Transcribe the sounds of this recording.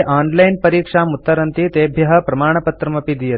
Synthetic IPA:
ʔaːnlɐjnpɐɾiːkʂaːmut̪ːɐɾɐnt̪it̪eːbʱjɐɦɐpɾɐmaːɳ̃ɐpɐt̪ɾɐmɐpid̪ijɐt̪

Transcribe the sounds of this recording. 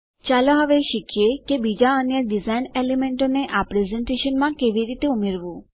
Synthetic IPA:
t͡ʃaloɦəʋeʃikʰjekebid͡ʒaənjəɖizainelemẽɳʈoneʔapɾezẽɳʈeʃənmãkeʋiɾit̪eumeɾʋũ

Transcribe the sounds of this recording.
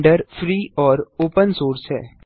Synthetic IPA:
ɖəɾfɾiːɔːɾoːpənsoːɾsɦɛ̰ː

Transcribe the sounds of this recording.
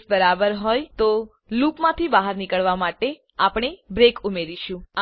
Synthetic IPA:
sbəɾabəɾɦojt̪o | lukmãt̪ʰibaɦəɾnikəɭʋamaʈe | apɳ̃ebɾekumeɾiʃũa

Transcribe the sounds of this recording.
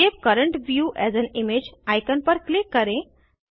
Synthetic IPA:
epkəɾəɳʈʋjuʔɛzənimed͡ʑajkənpəɾklikːəɾẽ

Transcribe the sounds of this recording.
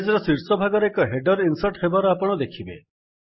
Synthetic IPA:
d͡ʒɔɾɔsiɾsɔbʱaɡɔɾekɔɦeɖɔɾinsɔɾʈɦebaɾɔapɔɽ̃ɔd̪ekʰibḛ

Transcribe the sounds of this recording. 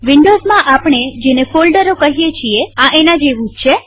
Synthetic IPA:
ʋɪɳɖozmãʔapɳ̃ed͡ʒenefolɖəɾokəɦijet͡ʃʰieãʔenãd͡ʒeʋũd͡ʒt͡ʃʰe

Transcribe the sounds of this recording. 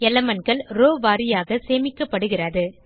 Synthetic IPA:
ɛlɐmɐnɡɐɭɾoːʋaːɾɪjaːɣɐseːmɪkːɐpːɐɽɯɣɪrɐðɯ

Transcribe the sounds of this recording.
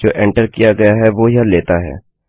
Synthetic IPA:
d͡ʒoːʔɛ̃ɳʈəɾkijaɡɐjaɦɛʋoːjaleːt̪aɦɛ̰ː

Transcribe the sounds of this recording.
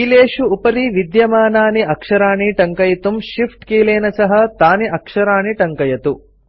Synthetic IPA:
kiːleːʃuːpɐɾiʋid̪jɐmaːnaːniɐkʂɐɾaːniʈɐŋkɐjɐt̪umʃipʰʈkiːleːnɐsɐɦɐt̪aːniʔɐkʂɐɾaːniʈɐŋkɐjɐt̪u

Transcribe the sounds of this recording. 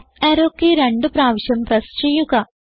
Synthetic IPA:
eɾokːeɾe̞ɳɖɨpɾaːʋiɕjɐmprɐst͡ɕejːuɣɐ

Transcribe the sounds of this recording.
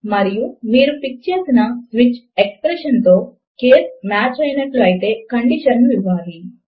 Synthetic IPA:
mɐɾijumiːɾupik̚t͡ʃe̞ːsinɐsʋit͡ʃekspɾeʃɐnt̪o̞ː | keːsmaːt͡ʃɐjnɐʈluɐjit̪e̞ːkɐɳɖiʃɐnːuiʋːaːli

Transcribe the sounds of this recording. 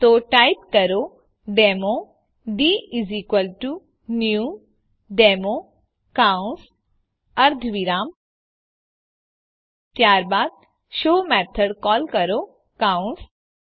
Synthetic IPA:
t̪oʈajpkəɾo | ɖemo | ɖiizikʋəlʈu | nju | ɖemo | kauns | ɐɾd̪ʱʋiɾaːm | t̪jaːɾbaːd̪̚ | ʃoːmɛt̪ʰəɽkɔːlkəɾo | kaũns

